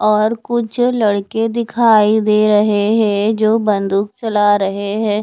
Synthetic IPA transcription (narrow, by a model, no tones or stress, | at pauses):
ɔːɾkʊt͡ʃʰlɐɽked̪ɪkʰaːid̪eːɾɐɦeɦɛ̃ɦɛd͡ʒoːbɐ̃nd̪ʊk̚t͡ʃɐlaɾɐɦeɦɛ̃ː